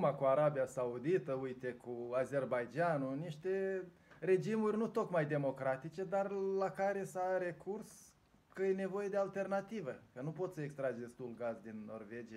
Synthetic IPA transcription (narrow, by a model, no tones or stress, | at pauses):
makuaɾabijasaud̪it̪əujt̪e̞kuaze̞rbajd͡ʒanuniʃt̪e̞ | re̞d͡ʒimurʲnut̪o̞kmajd̪e̞mo̞kɾat̪it͡ʃe̞d̪arlakaɾe̞saɾe̞kʰurs | kəjene̞vo̞je̞d̪ealt̪e̞rnat̪ivəkənupo̞t̪səekst̪ɾad͡ʒd̪e̞st̪ulɡazd̪inːo̞̰rve̞d͡ʒija